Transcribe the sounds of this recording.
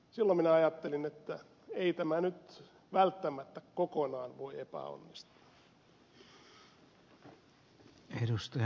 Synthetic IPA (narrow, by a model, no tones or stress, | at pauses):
silːominæɑjɑt̪ːelinet̪ːæ | eit̪æmænyt̪ | ʋælt̪ːæmæt̪ːækkokonɑːnʋoiepæ̰o̰nːist̪u̥ɑ̥ | edust̪ɑj